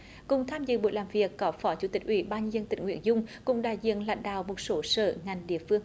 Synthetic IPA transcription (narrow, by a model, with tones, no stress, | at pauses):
kʊ˨˩ŋ͡mt̪ʰaː˧mzɨ̰˧˨ɓo̰˧˨jlaː˨˩mvi˨˩əkːɔ˨˦fɔ˨˦t͡ɕu˨˧˦t̪ï˨˩k̟̚ʔwḭ˧˩ɓaː˧nɲɨ˧nzə˧nt̪ï˧˩ŋ̟ŋwḭ˧ənzʊ˧ŋ͡mkʊ̰˨˧˩ŋ͡mɗa̰ː˧˨jzḭ˧˨ənla̰˧˨jŋ̟ɗa̰ː˧˨wmo˨˩t̚so˨˦sə̰ː˧˨ŋa˨˩jŋ̟ɗḭ˧˨əfɨ˧əŋ